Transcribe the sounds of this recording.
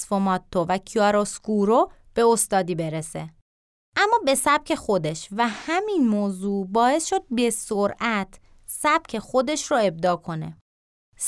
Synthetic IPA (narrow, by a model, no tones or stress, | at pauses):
sfomɒt̪ʰːovæcʰiɒɾoskuɾo | b̥e̞ost̪ɒːd̪iːbe̞ɾese | ʔæmːɒːbe̞sæb̥̚cʲʰe̞xo̞d̪e̞ʃvæhæminmoːzuːbɒːe̞sʃo̞d̪̚be̞soɾʔæt̪ʰ | sæb̥̚cʰe̞xo̞d̪e̞ʃroe̞b̚d̪ɒːkʰo̞nḛ | s